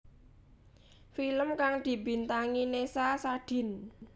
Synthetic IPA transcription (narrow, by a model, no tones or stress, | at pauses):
filəmkaŋd̪̥i̤bi̤nt̪aŋinesasaɖ̥i̤n